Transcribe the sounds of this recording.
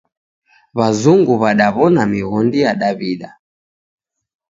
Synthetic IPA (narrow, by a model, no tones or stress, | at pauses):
βazuŋɡuβaɗaβɔnamiɣɔndijaɗaβiɗa